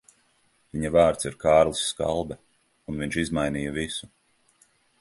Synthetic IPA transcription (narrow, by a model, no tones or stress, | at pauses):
viɲavaːɾt̪siɾkaːɾlˠisːka̰lˠbɛ | unviɲʃizmajniːjavisu